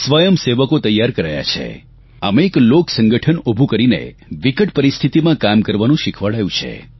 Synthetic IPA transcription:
sʋəjəmseʋəkot̪əjːaɾkəɾaja̰t͡ʃʰḛ | a̰meːkloksəŋɡəʈʰənobʱukəɾinḛ | ʋikəʈpəɾist̪ʰit̪imãkamkəɾʋanũʃikʰʋaɭajũt͡ʃʰḛ

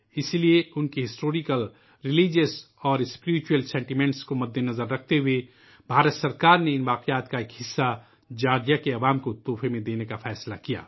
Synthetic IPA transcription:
ɪslieʊnkiɦɪsʈoːɾikəl | ɾɪliːd͡ʒəs | ɔːɾɪspɪɾɪt͡ʃuəlsɛ̃ːɳʈimɛ̃ːɳʈskomɐd̪ʱːenɐzəɾːɐk̚ʰt̪eɦʊe | bʱaːɾət̪sɐɾkaːɾneɪnʋaːqejaːt̪kaeːkɦɪsːa | d͡ʒaːɾjakeɐʋaːmkot̪oːfʰemẽd̪eːnekafɛːslakija̰ː

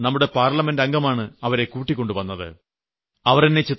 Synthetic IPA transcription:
nɐmːuɽe̞paːrlɐmendɐŋɡɐmaːɳɨɐʋɐɾe̞kuːʈːikʲːo̞ɳɖɨʋɐnːɐðɨ̰ | ɐʋɐrinːet͡ɕit̪ː

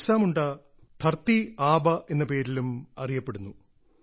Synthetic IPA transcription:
saːmuɳɖɐ | t̪ʰɐrt̪iaːbɐʔe̞nːɐpe̞ːɾilumɐ̰rijɐpːe̞ɽunːu

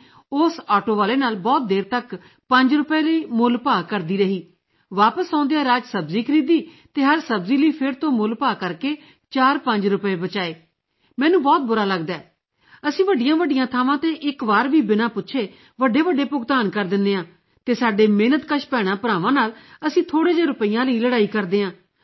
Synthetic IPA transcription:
ʊsaːʈoːʋaːleːnaːlbɔːt̪̚d̪eːɾt̪ək | pəɲd͡ʒɾʊpeːləiːmʊlpaːkəɾd̪iːɾəɦiː | ʋaːpəsãːʊ̃nd̪ejãːɾaːd͡ʒsəbziːkʰəɾiːd̪iː | t̪eːɦəɾsəbziːliːpʰɪɾt̪õːmʊlpaːkəɾkeː | t͡ʃaːɾpəɲd͡ʒɾʊpeːbət͡ʃaːeː | mɛːnũːbɔːt̪̚bʊɾaːləɡd̪aː | əsĩːʋəɖːɪjãːʋəɖːɪjãːt̪ʰaːʋãːt̪ẽːʔɪkʋaːɾʋiːbɪnaːpʊtːʃʰeː | ʋəɖːeːʋəɖːeːpʊkt̪aːnkəɾd̪ɪnd̪eːãː | t̪eːsaːɖeːmeːnət̪kəʃpɛːɽ̃ãːpəɾaːʋãːnaːləsĩːt̪ʰoːɽẽːd͡ʒeːɾʊpəijãːləiːləɽaːiːkəɾd̪eːɦãː

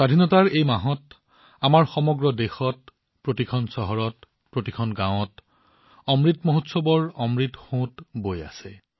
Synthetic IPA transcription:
ɹadʱinɔtaɹejmaɦɔt | amaɹxɔmɔɡɹɔdexɔt | pɹotikʰɔnsɔɦɔɹɔt | pɹotikʰɔnɡãw̃ɔt | ɔmɹitmoɦotsɔbɔɹɔmɹitxõtboja̰sɛ

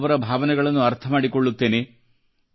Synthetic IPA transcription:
ʋɐɾɐbʱaːʋɐnɛɡɐɭɐnːuɐɾt̪ʰɐmaːɽikoɭːut̪ːe̞ːne

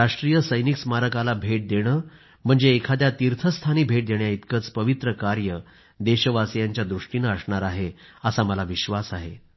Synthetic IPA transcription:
aʂʈɾijəsəjniksmaɾəkalabʱeʈ̚d̪eɽ̃əː | m̤əɳd͡zeːkʰad̪jat̪iɾt̪ʰəst̪ʰaniːbʱeʈ̚d̪eɳjait̪kət͡spəʋit̪ɾəkaɾjə | d̪eɕəʋasjaɲt͡ɕjad̪ɾuʂʈiːnəsɳaɾaɦeəsaməlaʋiɕʋasaɦe

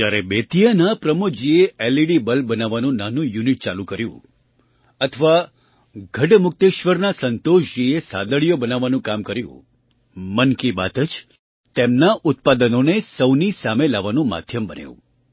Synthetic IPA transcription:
d͡ʒjaɾebet̪ijənapɾəmukd͡ʒieeliɽibəlbənaʋanũnanũjuniʈ̚t͡ʃalũkəɾjṵ̃ | ət̪ʰəʋa | ɡʱəʈmʊk̚t̪eʃʋəɾnasənt̪oʃd͡ʒiesa̰d̪əɭijobənaʋanũkamkəɾjṵ̃ | mənkiba̰t̪əd͡ʒ | t̪emnaʔʊt̪̚pad̪ənonesəwnisamelaʋanũma̰d̪ʱjəmbənḛjṵ̃

